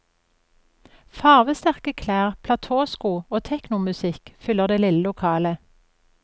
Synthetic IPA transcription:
fɑːʁʋəst̪æʁkəkʰlæːʁpʰlɑt̪ʰoːskuːoːt̪ʰɛknʊmʉsɪkfʏləʁd̪eːlɪləlʊkʰɑːlə

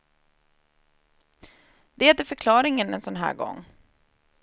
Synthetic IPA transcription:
d̪̥ɛæt̪əfœɾkʰlɑːɾɪŋənɛnsɔnɦæ̰ːɾɡɔ̰ŋː

